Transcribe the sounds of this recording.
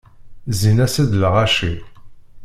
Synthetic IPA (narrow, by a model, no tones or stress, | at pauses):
zinæsæðlʁɑʃi